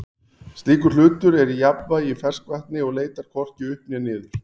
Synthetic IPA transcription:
st̪iːkʏɾ̥l̥ʏːt̪ʏɾɛɾijapvajifɛr̥skvaht̪nɪɔɣleːjt̪aɾ̥kʰɔr̥cɪʏhpnɛnɪːðʏɾ̥

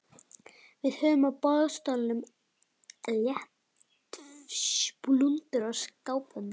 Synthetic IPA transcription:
vɪð̥hœːvʏmawpɔðst̪ɔlnʏm | ljɛh | t̪ | plunt̪ʏɾaskaːwpʏn

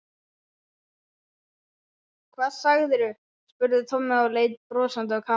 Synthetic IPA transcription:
kʰvaːðsaɣðʏɾʏ | spʏɾðʏt̪ʰɔmɪawleːjt̪̚pɾɔːsant̪ʏakʰa

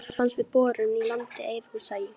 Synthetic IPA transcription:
fansvɪpɔːɾʏnilant̪ɪejvhusaːjɪ

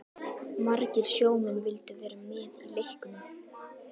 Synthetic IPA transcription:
maɾcɪɾ̥sjoːwmɪnvɪlt̪ʏvɛːɾamɪːðilejhkʏnʏ

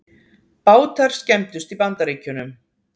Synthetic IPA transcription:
paːwt̪ʰaɾ̥scɛmt̪ʏst̪ipant̪aɾeːcʏnʏm

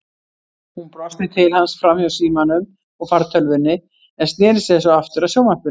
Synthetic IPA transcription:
hunpɾɔst̪ɪt̪ʰɪlhansfɾamhjawsiːmanʏm | ɔɣfaɾt̪ʰœlvɪnːɪ | ɛnst̪nɛːɾɪsɛsɔaft̪ʏɾaðsjoːwmahpʏ

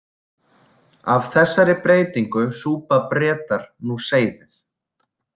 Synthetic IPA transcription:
avθɛsːaɾɪpɾeːjt̪iŋkʏsuːpapɾɛːt̪aɾ̥nuseːjðɪθ

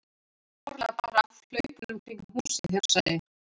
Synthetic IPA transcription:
ɔɾlapaɾal̥œɥpnʏmt̪ɪŋkɦuːsɪɛɾ̥saðɪ

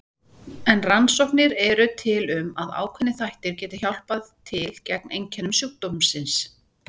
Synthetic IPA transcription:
ɛnransɔwhknɪɾɛɾʏt̪ʰɪlʏmaða̰ːwkʰvɛnːɪθajht̪ɪɾ̥cɛːt̪ɪçawl̥paðt̪ʰɪlcɛk̚nejɲcʰɛnʏmsjuwk̚t̪ommsɪns

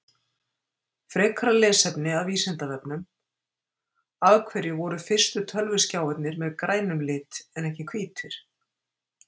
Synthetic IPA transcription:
fɾɛːkʰɾalɛːsɛpnɪaðviːsɛnt̪avɛpnʏm | aðkʰvɛɾjɪvɔɾʏfɪr̥st̪ʏt̪ʰœlvʏ̥scaːwɛt̪nɪɾmɛðkɾaːjnʏmlɪːt̪ɛnɛhcɪkʰviːt̪ʰʏɾ̥

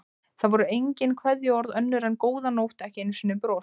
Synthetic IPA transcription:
θaðvɔɾʏejɲcɪnkʰvɛðjʏɔɾðœnːʏɾɛnkoːwðanowht̪ɛhcɪɪnːɪsvɛnːʏpɾoː

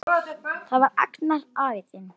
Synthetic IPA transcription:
θaðvaɾa̰knaɾaːvɪt̪ɪn

